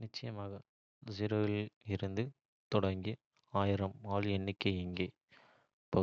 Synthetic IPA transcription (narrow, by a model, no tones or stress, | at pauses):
nɪt͡ʃːɐjɐmaːɣɐ | zɪɾoːʋɪlɪɾɯnd̪ɯ | t̪ɔɽɐŋɡi | aːjɪɾɐmaːlɛɳːɪkːɐɪŋɡeː | pːɐ